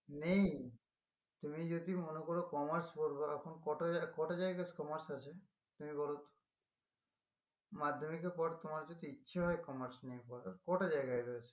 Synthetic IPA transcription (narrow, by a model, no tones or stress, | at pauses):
nej | t̪umid͡ʒod̪imonokɔɾokɔmaɾspoɾbaːkʰunkɔʈakɔʈad͡ʒajɡaskɔmaɾsat͡ʃʰe | t̪umiɡɔlot̪ | mad̪ʱːomikepɔɾt̪omaɾd͡ʒot̪iitːʃʰaɦɔekɔmaɾsnejpɔɾaɾkɔʈad͡ʒajɡajɾojet͡ʃʰe̥